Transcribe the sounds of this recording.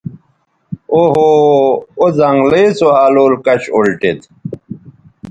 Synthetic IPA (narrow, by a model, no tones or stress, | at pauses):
oɦo | ozɐŋɡlet͡soaːloːlkɐɕolʈet̪